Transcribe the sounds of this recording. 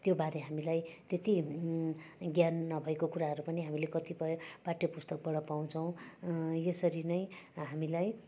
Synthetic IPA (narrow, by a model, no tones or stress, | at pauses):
t̪jobaɾeɦamilajt̪et̪i | ɡjanːʌbʱʌekokuɾaɦʌɾupʌniɦamilekʌt̪ipʌpaʈːjʌpust̪ʌk̚bʌɽʌpaw̃t͡sʰʌw̃jesʌɾinʌjɦamilaj